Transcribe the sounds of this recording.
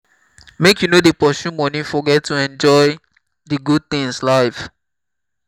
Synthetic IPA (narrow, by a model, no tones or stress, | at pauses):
mekjunodepɔʃũmɔ̃nĩfɔɡɛttːuɛ̃nd͡ʒɔɪ | diɡud̚θĩŋslaɪf